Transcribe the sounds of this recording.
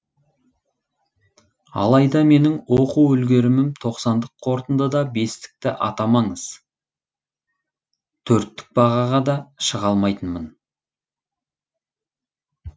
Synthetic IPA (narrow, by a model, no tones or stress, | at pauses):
ɑ̰lˠɑjd̪ɑme̞nɪŋwo̞quwɵlɡʲe̞ɾɪmɪmt̪ʰo̞qsɑnd̪əqʰːo̞ɾt̪ənd̪əd̪ɑbe̞st̪ɪ̥k̚t̪ɪʔɑ̰t̪ɑmɑɴəz̥ | t̪ʰɵɾt̪ːɪ̥k̚b̥ɑʁɑʁɑd̪ɑʃəʁɑlˠmɑjt̪ənmən